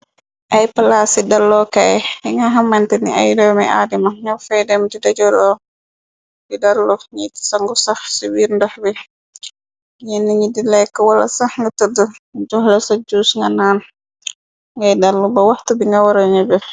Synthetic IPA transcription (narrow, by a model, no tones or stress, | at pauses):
ʔajpalasidalːɔkajɛiŋɡaɦamːantɛnḭa̰jdɔmaa̰dimaŋafɛdɛmdidad͡ʒɔɾɔ | didalːɔɲiti̥saŋɡɔsahsiwiːɾndahbɛ | ɲɛnːiɲidilɛkːɔwala̰saŋɡatədud͡ʒɔhlɔsad͡ʒuːsŋɡanaːn | ŋɡajdalːubawahtubiŋɡawaɾɔɲɛbɛ